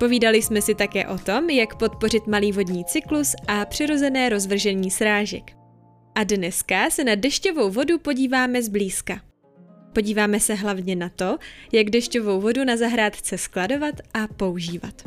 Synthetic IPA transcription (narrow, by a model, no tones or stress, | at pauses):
po̞viːdalɪsmɛsɪt̪akɛ̰ːʔo̞t̪o̞mjakpo̞t̪̚po̞rɪt̪maliːvo̞dɲiːt͡sɪklusʔapr̝̥ɪɾo̞zɛnɛːɾo̞zvr̩ʒɛɲiːsɾaːʒɛ̰k | ʔadnɛskasɛnadɛʃco̞vo̞wvo̞dupo̞ɟiːvaːmɛzbliːska | po̞ɟiːvaːmɛsɛɦlavɲɛnat̪o̞jaɡdɛʃco̞vo̞wvo̞dunazaɦɾaːt̪xt͡sɛsklado̞vat̪ʔapo̞uʒiːva̰t̪